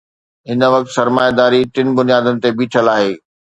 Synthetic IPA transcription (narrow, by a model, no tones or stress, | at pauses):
ɦɪnə̆ʋɐkt̪sɐɾmaːjad̪aːɾiʈɪn̆bʊnijaːd̪ənɪ̆t̪ebiːʈʰəlaːɦeː